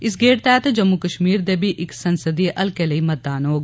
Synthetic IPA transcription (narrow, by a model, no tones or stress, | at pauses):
ɪsɡeːɽt̪ɛːt̪ed͡ʒɐmːukəʃmiːɾd̪ebʱiʔɪksɐnsəd̪ieʔɐlkelɐimɐt̪ːaːnɦoːɡ